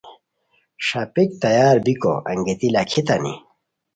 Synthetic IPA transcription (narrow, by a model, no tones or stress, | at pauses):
ʂɐpik̚t̪ɐjaːɾbiko̰ʔɐ̰ŋɡet̪ilɐkʰit̪ɐnḭ